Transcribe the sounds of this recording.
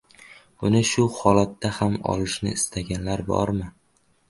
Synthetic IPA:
b̥ʊnɪʃʊhɒlat̪ːahamɒ̰lɪʃnɪ̰ɪst̪ʰaɡʲanlaɾbɒ̰ɾmɪ

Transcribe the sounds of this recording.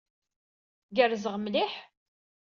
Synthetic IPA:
ɡəɾzəʁmliħ

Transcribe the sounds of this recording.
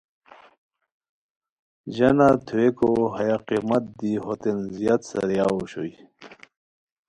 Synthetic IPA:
ʑɐnat̪ʰuekoɦɐjaqimɐt̪̚d̪iɦot̪enzijat̪sɐ̰ɾjaoɕo̰j

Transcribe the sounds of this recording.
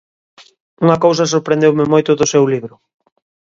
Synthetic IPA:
uŋɐkows̬ɐsoɾpɾend̪ewmɪmojt̪ʊðʊsewliβɾʊ

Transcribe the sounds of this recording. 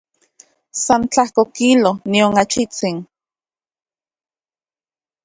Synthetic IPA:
sant͡ɬahkokilonioŋat͡ʃit͡sin

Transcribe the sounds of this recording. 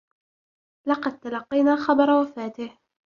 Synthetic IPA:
lɑqɑd̪̚t̪alɑqːɑjnaːxɑbɑɾˤɑwafaːt̪ɪh

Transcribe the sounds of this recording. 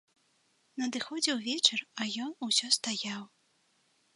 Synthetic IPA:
nɐd̪ɨxɔd͡zʲɛwvʲɛt͡ʂɐrɐjɔnusʲɔst̪ajaw

